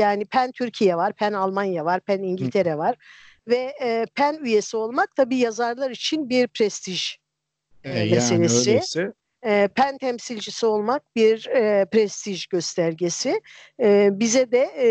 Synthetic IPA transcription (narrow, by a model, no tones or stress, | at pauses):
jaːnipʰænt̪ʰyɾcʰijɛvaɾpʰænalˠmanjavaɾpʰæniɲɟilʲt̪ʰeɾɛvaɾ̥ | vɛpʰænyje̞sio̞lˠmak̚t̪ʰabiːjazaɾlˠaɾit͡ʃʰinbiɾpʰɾɛst̪ʰiʒ | meselʲesi | pʰænt̪ʰɛmsilʲd͡ʒisio̞lˠmak̚biɾpɾɛst̪ʰiʒɟøst̪ʰæɾɟesi | bizɛd̪ɛ